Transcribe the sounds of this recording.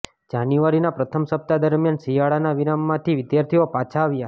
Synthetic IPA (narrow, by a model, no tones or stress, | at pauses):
d͡ʒanjuʋaɾinapɾət̪ʰəmsəp̚t̪ad̪əɾmjansijaɭanaʋiɾamːãt̪ʰiʋɪd̪jaɾt̪ʰiopat͡ʃʰaːʋja